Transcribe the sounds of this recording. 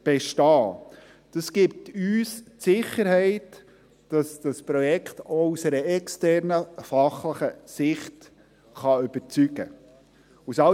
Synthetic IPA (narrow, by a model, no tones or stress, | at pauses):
b̥ɛʃtɑː | d̥ɑsɡip̚tyːstsɪχəɾhɛɪt | d̥ɑsd̥ɑspɾɔjɛktɔusəɾəɛkstɛɾnəfɑχləχəsɪχt | χɑʏb̥əɾt͡syɡ̥ə | usɑ